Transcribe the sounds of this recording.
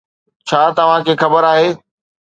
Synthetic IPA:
t͡ɕʰaːt̪ɐʋ̤ãkʰeːxɐbəɾaːɦeː

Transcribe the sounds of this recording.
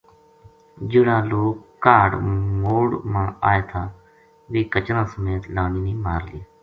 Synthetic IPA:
d͡ʒɪɽãːloːkːaːɖmoːɽmãːaːeːt̪ʰaː | ʋeːkət͡ʃɾãːsəmeːt̪laːɳiːnĩːmaːɾlɪaː

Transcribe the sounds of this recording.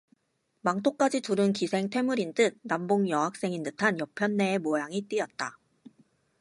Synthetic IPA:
maŋt͈ʰok͈̚ad͡ʑituɾɯnkisʰe̞ŋtʰe̞muɾintɯk̚namboŋjʌɦak̚s͈e̞ŋinɯtʰanjʌpʰjʌnːe̞ːmojaŋit͈iʌt̚t͈a

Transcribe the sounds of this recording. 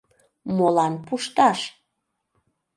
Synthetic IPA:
molɑnpuʃt̪ɑʃ

